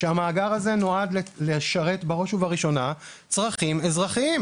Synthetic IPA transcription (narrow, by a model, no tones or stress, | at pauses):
ʃeamaːɡaʁaze̞no̞adlleʃaʁe̞tbaʁo̞ʃuvaʁiʃo̞na | t͡sʁaχimezʁaχiim